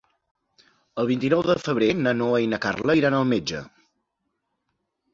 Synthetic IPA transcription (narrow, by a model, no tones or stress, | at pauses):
əlˠβint̪inɔwðəfəβ̞ɾenənoəjnəka̰rləjɾanəlˠmed͡ʒə̰